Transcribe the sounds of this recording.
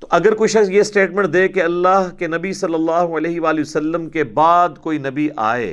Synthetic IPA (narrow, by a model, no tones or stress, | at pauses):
t̪oʔɐɡəɾkoːiʃɐksjesʈeːʈmɛ̃ːɳʈ̚d̪eːkeɐlːaɦkenɐbisɐlːəlːaːɦuɐleːɦɪʋaːlisɐlːəmkebaːd̪koːinɐbiʔa̰ːḛː